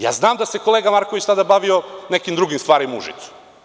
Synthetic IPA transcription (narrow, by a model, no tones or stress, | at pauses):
ja̰ːznaːmd̪ase̞kolˠeːɡamaɾkoʋit͡ɕsad̪abaʋionekimd̪ɾuɡimst̪ʋaːɾimaṵʒḭt̪su̥